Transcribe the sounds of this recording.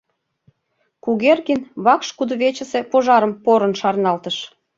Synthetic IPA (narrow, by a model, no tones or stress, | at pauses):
kuɣerɣinβɑkʃkud̪oβet͡ɕə̆se̽poʒɑɾəmpoɾə̆nʃɑrnɑlt̪əʃ